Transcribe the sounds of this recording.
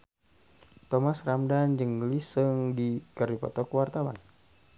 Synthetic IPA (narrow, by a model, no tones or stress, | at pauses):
t̪ɔmasramdand͡ʒəŋlisɨŋdikəripɔ̰t̪ɔkwart̪awan